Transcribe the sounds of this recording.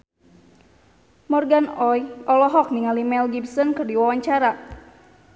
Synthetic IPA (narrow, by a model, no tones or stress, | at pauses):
mɔrɡanɔjʔɔlɔɦɔk̚niŋalimɛlɡibsɔnkɨrdiwawaɲt͡ʃaɾa